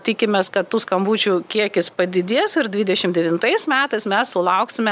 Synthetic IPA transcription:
t̪ʲikʲɪmʲeːskɐt̪t̪uːskɐmbuːt͡ʃʲukʲiɛkʲɪspɐd̪ʲɪd̪ʲiɛsɪɾd̪ʲʋʲiːd̪ʲɛʃʲɪmd̪ʲɛʋʲɪnt̪ɐɪsmʲæːt̪ɐɪsmʲɛssʊlˠɐʊksʲɪmʲɛ

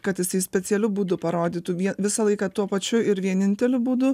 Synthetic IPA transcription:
kɐt̪jɪsɐɪsʲpʲɛt͡ssʲɛlʲʊbuːd̪ʊpɐɾoːd̪ʲiːt̪uʋʲiɛnʋʲɪsɐlˠɐɪkɐt̪uɔpɐt͡ʃʲʊɪɾʋʲiɛnʲɪnʲt̪ʲɛlʲʊbuːd̪ʊ

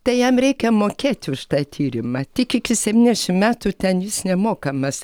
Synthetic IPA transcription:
t̪ɐɪjɛmɾʲɛɪkʲɛmoːkʲeːt̪ʲʊʃt̪ɑːt̪ʲʰiːɾʲɪmɐt̪ʲɪkʲɪkʲɪsʲɛʋʲiːnʲdʲɛʃʲɪmmʲæːt̪uːt̪ʲɛnjɪsnʲɛmoːkɐmɐs

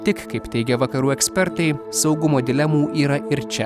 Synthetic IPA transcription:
t̪ʲɪkkɐɪpt̪ʲɛɪɡʲɛʋɐkɐɾuːɛkʲsʲpʲɛɾt̪ɐɪsɒʊɡʊmoːd̪ʲɪlʲɛmuːʔiːɾɐʔɪɾt͡ʃʲɛ

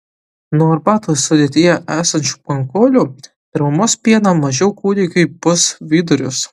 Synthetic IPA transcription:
nuːɐɾbɑːt̪oːsʊd̪ʲeːt̪ʲɪjɛʔæːsɐnʲt͡ʃʲu̥ːpɐŋkoːlʲu | t̪ʲɪɾmɐmoːspʲiɛnɐmɐʒʲɛʊkuːd̪ʲɛɪkɐɪpʊsʋʲiːd̪ʊɾʲʊs

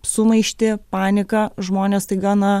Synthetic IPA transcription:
sʊmɐɪʃʲt̪ʲɪpɑːnʲɪkɐʒmoːnʲeːst̪ɐɪɡɑːnɐ

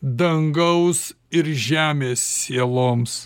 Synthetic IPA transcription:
d̪ɐŋɡɐʊs | ɪɾʒʲæːmʲeːsːʲeɛlˠoːms

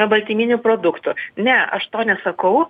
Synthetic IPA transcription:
ɛbɐlʲt̪ʲiːmʲinʲʊpɾoːd̪ʊkt̪ʊnʲɛɐʃt̪oːnʲɛsɐkɐʊ

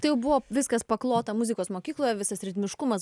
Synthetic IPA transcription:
t̪ɐɪjɛʊbʊʋoːʋʲɪskɐspɐklˠoːt̪ɐmʊzʲɪkoːsmoːkʲiːklˠoːjɛʋʲɪsɐsɾʲɪd̪ʲmʲɪʃkʊmɐs

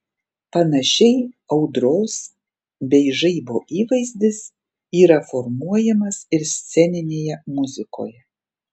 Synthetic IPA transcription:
pɐnɐʃʲɛɪɐʊd̪ɾoːs | bʲɛɪʒɐɪboːʔiːʋɐɪzʲd̪ʲɪs | iːɾɐfɔɾmuɔjɛmɐsɪɾsʲt̪sʲɛnʲɪnʲeːjɛmʊzʲɪko̰ːjɛ

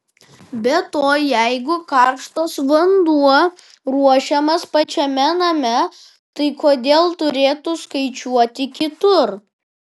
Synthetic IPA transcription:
bʲɛt̪oːjɛɪɡʊkɑːˑɾʃt̪oːsʋɐnd̪uɔ | ɾuɔʃʲɛmɐspɐt͡ʃʲɛmʲɛnɐmʲɛ | t̪ɐɪkoːd̪ʲeːlˠt̪ʊɾʲeːt̪ʊskɐɪt͡ʃʲuɔt̪ʲɪkʲɪt̪ʊɾ

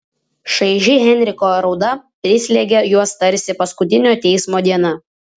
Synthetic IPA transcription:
ʃɐɪʒʲɪɣʲɛnʲɾʲɪkoːɾɒʊd̪ɐpʲɾʲɪsʲlʲeɡʲejuɔst̪ɐɾʲˑsʲɪpɐskʊt̪ʲɪnʲoːt̪ʲɛɪsmoːd̪ʲiɛnɐ

